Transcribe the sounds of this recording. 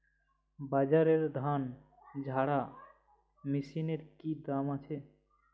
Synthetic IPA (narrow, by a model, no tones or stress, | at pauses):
bad͡ʒaɾeɾd̪ʱan | d͡ʒʱaɽa | misineɾkid̪amat͡ʃʰe